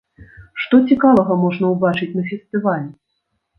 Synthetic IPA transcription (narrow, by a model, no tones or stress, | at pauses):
ʂt̪ɔt͡sʲikavɐɣɐmɔʐnɐwbat͡ʂɨt͡sʲnɐfʲɛsʲt̪ɨvalʲ